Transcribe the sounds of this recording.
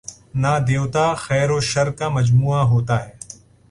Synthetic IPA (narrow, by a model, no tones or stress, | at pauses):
naːd̪eːwt̪aːxɛːɾoːʃɐɾkaːmɐd͡ʒmuːaɦoːt̪aːɦɛː